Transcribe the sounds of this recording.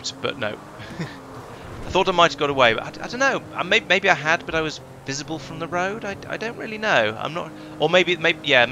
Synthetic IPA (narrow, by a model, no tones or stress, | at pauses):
tb̥ʌ̰tⁿno̰ʊ | aɪθɔɾaɪmaɪtɨvɡɑɾəweɪbʌ̰ɾa̰ɪaɪdõʊ̃nːoʊʌ̰meɪmeɪbiaɪɨd̚bʌɾaɪwʌz | vɪzɨbəl̩ˠfɹʌ̃mðəɹoʊdaɪa̰ɪdõʊ̃nʔ̚ɹɪlˠinoʊã̰ɪ̃mnə̰t̚ | ə˞meɪbimeɪjæ